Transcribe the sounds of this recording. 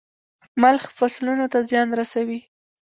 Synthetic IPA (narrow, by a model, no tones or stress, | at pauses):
malxfaslunot̪azjɑnɾasawi